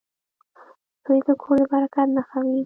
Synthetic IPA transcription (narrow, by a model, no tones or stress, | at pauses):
sojd̪əkʰoɾd̪əbaɾakat̪naxawi